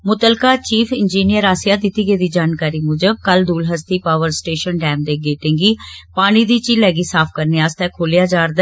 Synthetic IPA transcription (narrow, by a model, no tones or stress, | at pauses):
mʊt̪əlkaːt͡ʃiːpʰɪnd͡ʒiːnɪjəɾaːsɪjaːd̪ɪt̪ːiːɡeːd̪iːd͡ʒaːnkaːɾiːmʊd͡ʒəb̚kəld̪uːlɦəst̪iːpaːʋəɾsʈeːʃənɖɛːmd̪eːɡeːʈɪ̃ŋɡiːpaːñiːd̪iːt͡ʃiːlɛːɡiːsaːp̚ʰkəɾneːaːst̪ɛːkʰoːlijaːd͡ʒaːɾd̪ɛ